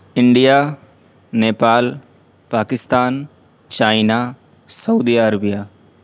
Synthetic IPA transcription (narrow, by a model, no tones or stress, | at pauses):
ɪɳɖijaː | neːpaːl | paːkɪst̪aːn | t͡ʃaːɪna | sɐud̪iːəɾəbijaː